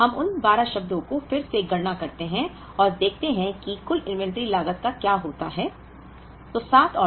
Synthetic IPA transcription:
ɦɐmʊnbaːɾaʃɐb̚d̪õkofɪɾseɡɐɾnakɐɾt̪eɦɛ̃ | ɔːɾd̪eːk̚ʰt̪eɦɛ̃kikʊlɪ̃nʋɛ̃ɳʈɾilaːɡət̪̚kakjaːɦoːt̪aɦɛː | t̪oːsaːt̪ʰɔː

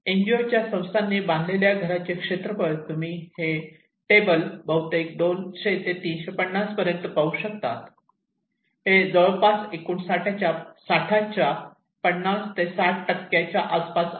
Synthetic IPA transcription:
eɲd͡ʑiot͡ɕjasə̃w̃st̪anːiband̪ʱleljaɡʱəɾat͡ɕekʂet̪ɾəpəɾt̪um̤iːhe | ʈebəlbəɦut̪ek̚d̪onɕet̪et̪iːnɕepəɳːaspəɾjənt̪əpauɕək̚t̪at̪ | ɦed͡zəɭəpasekuɳsaʈʰat͡ɕjasaʈʰat͡ɕja | pəɳːast̪esaʈ̚ʰʈəkːjat͡ɕaʔaspas

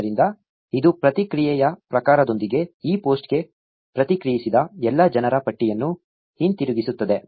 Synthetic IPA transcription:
ɾind̪ɐ | id̪upɾɐt̪ikɾijɛjɐpɾɐkaːɾɐd̪o̞nd̪iɡe̞iːpo̞ːsʈɡe̞ | pɾɐt̪ikɾijisid̪ɐɛlːɐd͡ʒɐnɐɾɐpɐʈːijɐnːu | hint̪iɾuɡisut̪ːɐd̪e̞

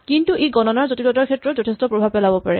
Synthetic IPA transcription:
kintuʔejɡɔnɔnaɹzotilɔtaɹkʰɛtɹɔtzɔtʰɛstɔpɹobʱab̚pːɛlabɔpaɹɛ̰

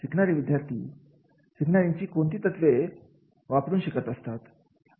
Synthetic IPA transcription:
siknaɾiːʋid̪jaɾt̪ʰḭː | ɕiknaɾiɲt͡ɕiːkont̪iːt̪ət̪ʋe | ʋapɾuːnɕikət̪əst̪at̪

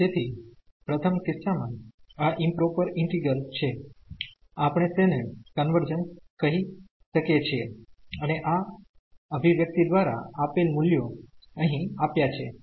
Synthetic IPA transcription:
d͡ʒet̪ʰi | pɾət̪ʰəmkɪsamãaʔimpɾopəɾɪɳʈiɡəlt͡ʃʰe | apɽ̃et̪enekənʋəɾd͡ʒənskəɦi | ʃəket͡ʃʰeəneʔa | əbʱiʋjək̚t̪id̪ʋaɾa̰apelmuljoəɦĩapjat͡ʃʰe

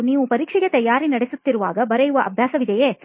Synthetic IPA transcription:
niːʋupɐɾiːkʂɛɡet̪ɐjːaːɾinɐɽesut̪ːiɾuʋaːɡɐbɐɾejuʋɐʔɐbʱjaːsɐʋid̪ejeː

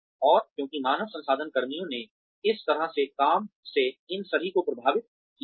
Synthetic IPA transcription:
ɔːɾkjõːkimaːnəʋsɐ̃nsaːd̪ʱənkɐɾmijõne | ɪst̪ɐɾaɦsekaːmseɪnsɐɾʱikopɾɐbʱaːʋɪt̪̚ | ki

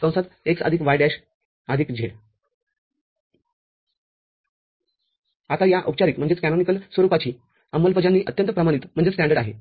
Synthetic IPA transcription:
sə̃w̃sat̪eksə̰d̪ʱikʋajɖæɕ | əd̪ʱiːkd͡ʑʱeɽ | at̪ajaʔəp̚t͡ɕaɾikm̤əɳd͡zet͡skænonikəlsʋəɾupat͡ɕiː | əmːəlpəd͡ʑanːiːʔət̪jənt̪əpɾəmaɽ̃it̪m̤əɳd͡zesʈæ̃ɳɖəɽaɦḛ

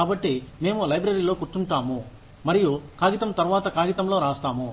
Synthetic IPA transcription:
kaːbɐʈːime̞ːmulɐjbɾɐɾilo̞ːkuʈ̪ːuɳʈaːmu | mɐɾijukaːɡit̪ɐmt̪ɐɾuʋaːt̪ɐkaːɡit̪ɐmlo̞ːɾaːst̪aːmu

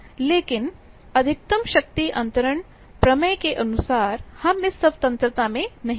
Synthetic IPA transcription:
leːkin | ɐd̪ʱik̚t̪ɐmɕɐk̚t̪iʔɐnt̪ɐɾəɳ | pɾɐmɐjkeʔɐnusaːɾhamisːɐʋt̪ɐ̃nt̪ɾət̪amẽnɐɦ

